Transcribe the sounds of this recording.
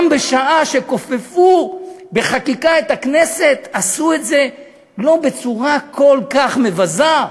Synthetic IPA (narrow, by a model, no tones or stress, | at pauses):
mbeʃaʔaʃe̞ko̞fefube̞χakikaet̪aknese̞t̪asuetze̞ | lo̞be̞t͡suʁako̞lkaχme̞vaza